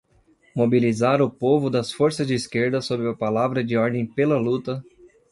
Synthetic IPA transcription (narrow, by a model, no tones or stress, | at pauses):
mobilizaɾʊpovʊd̪ɐsfoɾsɐzd͡ʒɪiskeɾd̪ɐsobɾɪɐpalavɾɐd͡ʒɪɔɾd̪ẽj̃pelɐlut̪ɐ